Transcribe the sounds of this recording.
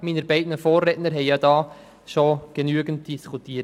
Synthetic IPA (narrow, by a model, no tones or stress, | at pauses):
minəɾbɛɪdnəfoːrɛtnəɾɦɛɪjɑdɑː | ʃoɡ̥enyəɡənt̚d̥iskʰutiːət